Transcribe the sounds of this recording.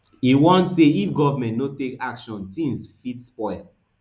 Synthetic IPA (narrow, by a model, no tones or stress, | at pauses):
iwɔ̃ntseifɡɔvamɛ̃ntnotekakʃɔ̃ntĩnsfitspɔɪ